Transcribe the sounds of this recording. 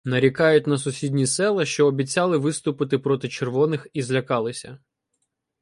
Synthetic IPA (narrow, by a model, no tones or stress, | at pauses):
nɐɾʲikɑjʊt̚ʲnɐsʊsʲidʲnʲisɛlˠɐʃt͡ʃɔːbʲitt͡sʲɑlˠɪʋɪst̪ʊpɪt̪ɪpɾɔt̪ɪt͡ʃerʋɔnɪxizlʲɐkɑlˠɪsʲɐ̰